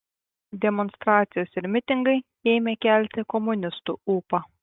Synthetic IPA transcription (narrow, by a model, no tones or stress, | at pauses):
d̪ʲɛmɔnst̪ɾɑːt̪sʲɪjoːsɪɾʲmʲɪt̪ʲɪŋɡɐɪ | eːmʲekʲæˑlʲt̪ʲɪkɔmʊnʲɪst̪ṵuːpɑ